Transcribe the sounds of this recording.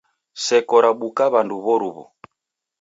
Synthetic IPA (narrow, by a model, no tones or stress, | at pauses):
sɛkɔɾaɓukaβanduβɔɾuβṵ